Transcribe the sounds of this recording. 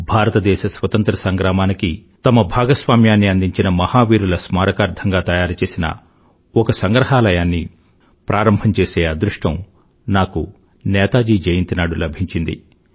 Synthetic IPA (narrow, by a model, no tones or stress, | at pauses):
bʱaːɾɐt̪ɐd̪ɛːʃɐsʋɐt̪ɐnt̪ɾɐsɐŋɡɾaːmaːnikit̪ɐmɐbʱaːɡɐsʋaːmjaːnːiɐnd̪iɲt͡ʃinɐmɐhaːʋiːɾulɐsmaːɾɐkaːɾd̪ʱʰɐŋɡaːt̪ɐjaːɾt͡ʃe̞ːsinɐ̰ | ɔkɐsɐŋɡɾɐɦaːlɐjaːnːi | pɾʔaːɾɐmbʱɐɲt͡ʃeːseːɐd̪ɾuʂʈɐm | naːku | nɛːt̪aːd͡ʒiːd͡ʒɐjɐnt̪inaːɽulɐbʱiɲt͡ʃind̪ḭ